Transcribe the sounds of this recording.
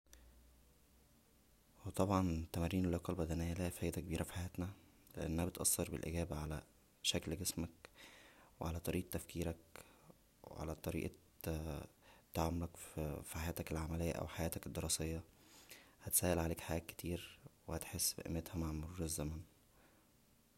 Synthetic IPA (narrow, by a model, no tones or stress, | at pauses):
wet̪ˤɑbʕɑnt̪ːæmæɾːiːnelːoqːɑlbæd̪ænejːælæfæːjd̪ækebiːɾʔæfi̥ħajæːt̪næ | lḛʔæ̰nːæhæbet̪ʔɑsːɑɾˤbḛlʔḛɡæːbæʕalæ̰ | ʃæklɡesmæk | weʕalæt̪ˤɑɾiːʔt̪ːæfkiːɾæk | wḛʕa̰læt̪ˤɑɾḭːʔ | t̪ːaʕamolækfiħajæːt̪ækelʕamælejːæʔæ̰wħajæːt̪æked̪ːeɾɑsejːɑ | hæt̪sæːhʔelʕaleːkħajæːke̥t̪ʰiːɾwehæt̪ħesːbḛʔḛmːet̪hæmʕanmoɾuːɾezːæmæn